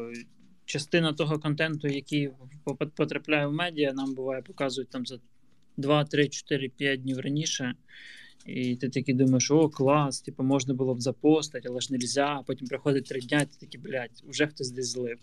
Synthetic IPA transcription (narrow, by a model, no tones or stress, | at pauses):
t͡ʃɐst̪ɪnɐt̪ɔɦɔkɔnt̪ɛnt̪ʊjɐkʲijppɔt̪ɾɐplʲajɛwmɛdʲijɐnɑmbʊʋɑjɛpɔ̥kɑzʊjʊtʲt̪ɑmzɐ | d̪ʋɑt̪ɾɪt͡ʃɔ̥t̪ɪɾɪpʲjat̚ʲdʲnʲiwrɐnʲiʃɛ | it̪ɪt̪ɐkʲid̪umɐjeʃɔklˠɑst̪ʲipɐmɔʒnɐbʊlˠɔbzɐpɔst̪ɐtʲɐlˠɛʒnelʲzʲapɔtʲimpɾɪxɔd̪ɪt̚ʲt̪ɾɪdʲnʲait̪ɪ̥t̪ɐkʲiblʲatʲwʒɛxt̪ɔzʲd̪ɛsʲzlˠɪw